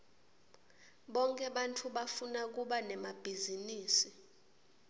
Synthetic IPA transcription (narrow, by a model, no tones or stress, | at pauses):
ɓɔŋkʼɛɓantʰuɓafunak̬uɓanɛmab̥ʱiziniːsi